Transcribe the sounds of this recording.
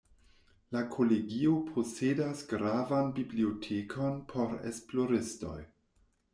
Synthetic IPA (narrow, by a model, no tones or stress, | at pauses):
lakʰo̞leɡio̞pʰo̞sedasɡɾavanbibliotʰekʰo̞npʰo̞ɾḛsplo̞ɾisto̞̰j